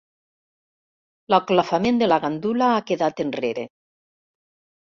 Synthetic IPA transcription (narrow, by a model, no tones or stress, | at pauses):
laklafamend̪elaɣand̪ulaakeðat̪enreɾe